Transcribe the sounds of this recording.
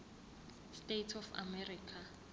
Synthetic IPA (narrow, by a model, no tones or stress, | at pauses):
stetʰɔfa̰mɛriːkʰa